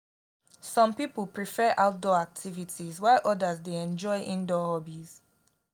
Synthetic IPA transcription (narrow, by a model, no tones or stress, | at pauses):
sɔ̃mpipəlpɹifɛʔaʊt̚dɔak̚tʰivitʰizwaɪʔɔdəzdeɛ̃nd͡ʒɔɪʔĩndɔhɔbiz̥